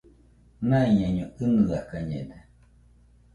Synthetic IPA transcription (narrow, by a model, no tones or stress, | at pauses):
nãiɲãɲõɨnɨðakaɲḛde